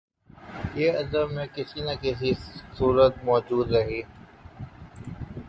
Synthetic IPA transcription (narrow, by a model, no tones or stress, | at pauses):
jeːɐd̪əbmẽkɪsinɐkɪsisuːɾət̪̚mɔːd͡ʒuːd̪ɾɐɦeː